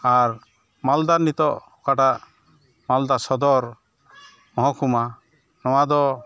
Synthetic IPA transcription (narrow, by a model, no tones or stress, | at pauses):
aɾ | mald̪aɾnit̪ɔʔ | kaʈaʔ | mald̪asɔd̪ɔɾ | mɔɦɔkuma | nɔwad̪ɔ